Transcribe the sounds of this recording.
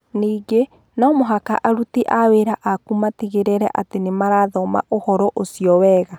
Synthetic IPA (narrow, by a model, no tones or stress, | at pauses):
niːɡe | nɔmoɦaka̰ʔaɾutiʔaweɾaʔakumateɣeɾeɾɛ̰ʔatenemaɾaðɔma̰ʔohɔɾɔʔosiɔwɛːɣa